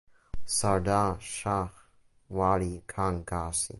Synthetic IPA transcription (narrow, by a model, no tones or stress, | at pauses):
saɾdaʃax | walikʰaŋkasḭ